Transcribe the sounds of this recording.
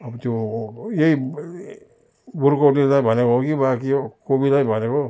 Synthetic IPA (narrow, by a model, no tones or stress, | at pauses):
ɐbt̪ujei | buɾkoʈnizabʱanekokibakikobilabʱaneko